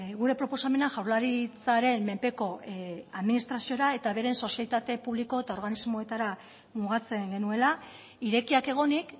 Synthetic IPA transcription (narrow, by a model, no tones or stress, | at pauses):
ɣuɾe̞pɾo̞po̞same̞naʝawɾlaɾit͡saɾe̞mme̞mpe̞ko̞aðminist̪ɾasio̞ɾae̞t̪aβe̞ɾe̞nso̞sjalit̪at̪e̞puβliko̞e̞t̪ao̞ɾɣanizmo̞e̞t̪aɾa | muɣ̞at͡se̞ŋɡe̞nue̞la | iɾe̞kiake̞ɣ̞o̞nik